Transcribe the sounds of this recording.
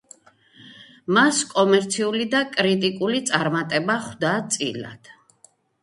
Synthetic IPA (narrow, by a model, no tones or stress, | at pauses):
maskʼɔmɛɾt̪sʰiulid̪akʼɾit̪ʼikʼulit̪sʼaɾmat̪ʼɛbaχwd̪at̪sʼḭla̰d̪̥